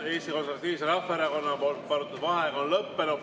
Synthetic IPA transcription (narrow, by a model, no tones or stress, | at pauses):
e̞ːst̪iko̞nseɾvɑt̪ːiːviseɾɑfeɾɑko̞nːɑpolt̪̚pɑɾut̪ːˑud̪vɑɦekɑonlɤpːe̞nu